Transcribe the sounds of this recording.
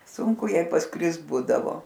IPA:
ˈsʊŋkʊ ˈjɛɪ pɐsˈkrʲɪst ˈbuːdɐʋoː

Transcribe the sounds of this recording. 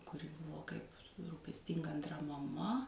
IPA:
kʊˈrʲɪ ˈbʊʋoː ˈkɐɪp ruːpʲɛsʲˈtʲɪŋɡɐ ɐnˈtrɐ mɐˈmɐ

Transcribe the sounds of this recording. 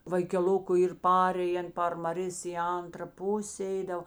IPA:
ʋɐɪkʲɛˈlˠʊkʊ ˈiːr ˈpɑːrʲeːjɛn pɐr mɐˈrʲeːs ɪ ˈɐntrɐ ˈpʊsʲeː ˈɛɪdɐw

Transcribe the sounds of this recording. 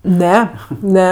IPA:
ˈnʲɛ ˈnʲɛ

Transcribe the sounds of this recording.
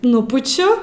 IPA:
ˈnʊpʊt͡ʃʲʊ

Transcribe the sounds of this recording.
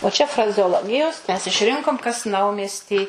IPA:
oː t͡ʃʲɛ frɐzʲɛoːˈlˠoːɡʲɪjoːs mʲɛs ɪʃʲˈrʲɪŋkoːm kɐs ˈnɐʊmʲiɛsʲtʲiː

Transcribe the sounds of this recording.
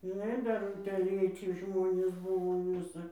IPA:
ʒʲɪˈnɐɪ ˈdɐr ʊtʲeːˈlʲeːt͡sʲɪ ˈʒmoːnʲeːs ˈbʊʋoː ˈʋʲɪsɐ

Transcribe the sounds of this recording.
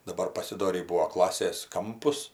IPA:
dɐˈbɐr pɐsʲɪˈdoːrʲiː ˈbuːʋoː ˈklˠɑːsʲeːs ˈkɐmpʊs

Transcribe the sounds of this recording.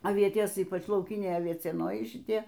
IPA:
ɐˈʋʲiɛtʲeːs ˈiːpɐt͡ʃ lˠɐʊˈkʲɪnʲɛɪ ɐʋʲiɛt͡sʲiɛˈnoːjɛɪ ʃʲɪˈtʲiɛ

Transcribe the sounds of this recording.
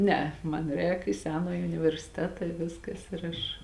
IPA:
ˈnʲæːˌɛ ˈmɐn ˈrʲɛːk ɪ ˈsʲæːnɑːjɪ ʊnʲɪʋʲɛrʲsʲɪˈtʲæːtɐ ɪ ˈʋʲɪskɐs ɪr ˈɐʃ

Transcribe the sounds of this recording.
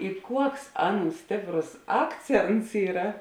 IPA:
ɪ ˈkuɔks ˈɑːˌnuː ˈsʲtʲeːpˌroːs ˈɑːkˌt͡sʲeːnts ˈiːrɐ

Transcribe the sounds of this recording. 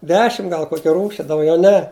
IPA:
ˈdʲæːʃʲɪm ˈɡɐlˠ ˈkoːkʲɪ ˈruːʃʲɪ dɐʊˈɡʲɛʊ ˈnʲɛ

